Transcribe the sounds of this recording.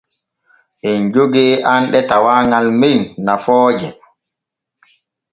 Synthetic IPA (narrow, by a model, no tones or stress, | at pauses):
ʔɛnd͡ʒoɡɛːʔanɗɛtawaːŋɡalmenːafɔːd͡ʒɛ